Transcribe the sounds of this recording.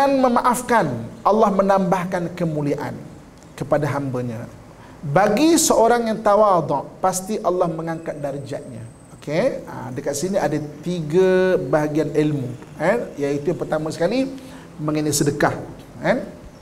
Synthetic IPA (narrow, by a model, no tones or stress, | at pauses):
anməmaʔafkanʔɑlːɑhmənãmbahkankəmuliaʔa̰n | kəpadaɦambəɲã̰ | baɡisəoɾaŋjaŋt̪awad̪ɔʔpast̪iʔalːɑhməŋaŋkat̪̚daɾd͡ʒa̰ʔ̪̚ɲã̰ | okʰea̰dəkat̪̚siniadat̪iɡabaɦaɡianilmuanjait̪ujapərt̪amãsə̥kali | mə̃ŋənisədəkah | an